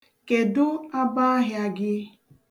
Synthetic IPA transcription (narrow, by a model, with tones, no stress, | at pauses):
ke˨dʊ˦a˦ba˦ɦja˦ɡɪ˦